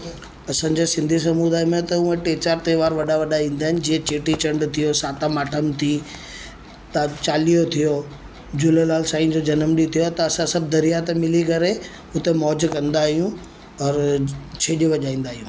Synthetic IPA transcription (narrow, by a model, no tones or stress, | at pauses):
ɐsã̆ːd͡ʑesɪ̃nd̪ʱis̬ɐmud̪aːjmẽt̪ɐũẽʈeːt͡ɕaːɾt̪eʋaːɾʋɐɗaʋɐɗaĩːn̆d̪aːɦɪnɪ̆d͡ʑiɦẽt͡ɕeːʈit͡ɕɐ̃ɳɖt̪ʰijosaːt̪amaːʈʰəmt̪ʰi | t̪at͡ɕaːlijot̪ʰijo | d͡ʑʊlelaːlsaːĩd͡ʑod͡ʑɐnəmɗit̪ʰijot̪ɐːsãsɐb̚ʱd̪ɐɾijat̪emɪlikɐɾe | ʊt̪emɔːd͡ʑkɐ̃nd̪aːɦijũ | ɔɾt͡ɕʰeːɗiʋɐʄaːĩːn̆d̪aːɦijũː